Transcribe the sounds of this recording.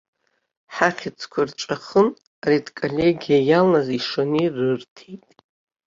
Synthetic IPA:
ħaχʲɪt͡sʰkʷʰarʈ͡ʂʼaχəm | aɾitʰkʼolʲeɡʲijajalnaziʂonirɨrtʰejtʼ

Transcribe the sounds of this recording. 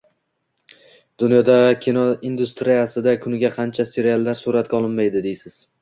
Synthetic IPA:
d̪ʊnjɒd̪akʲʰinɒind̪ʊst̪ɾijasɪd̪akʰʊnɪɡʲaqʰɑnt͡ʃʰase̞ɾialˠːaɾsʊɾat̪̚kʲɒlˠɪnmajd̪ɪd̪ejsɪz̥

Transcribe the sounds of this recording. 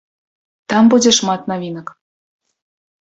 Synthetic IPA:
t̪ɑmbudʲĕʃmɑt̪nɑvʲinə̆k

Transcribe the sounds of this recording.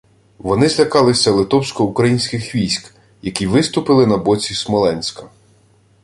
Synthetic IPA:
ʋɔnɪzʲlʲɐkɑlˠɪsʲɐlˠɪt̪ɔwsʲkɔukɾɐjinʲsʲkɪxʋʲijsʲk | jɐkʲiʋɪst̪ʊpɪlˠɪnɐbɔt͡sʲismɔlˠɛnʲsʲkɐ

